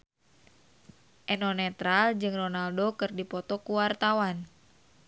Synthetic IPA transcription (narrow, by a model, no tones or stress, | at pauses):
ʔɛnɔnɛt̪ɾald͡ʒɨŋrɔnaldokɨrdipɔt̪ɔkuwart̪awan